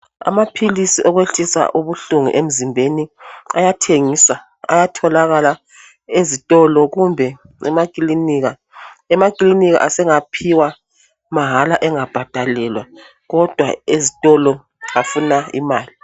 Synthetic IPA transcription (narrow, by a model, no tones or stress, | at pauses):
a̰mapʰilisiʔɔɣweɬisa̰ʔuβuɬuŋṵʔem̩zimbʱeniajatʰeŋiːsa | a̰jatʰɔlaɣala | ezitʼɔlɔɣumbʱɛ | ɛ̰makʼliniɣa | ɛmakʼliniɣa̰ʔasɛŋapʰiwa | maɦalaʔɛŋab̥ʱad̥ʱalɛlwa | ɣɔd̥ʱwa̰ezitʼɔlɔ | afunaḭmaːli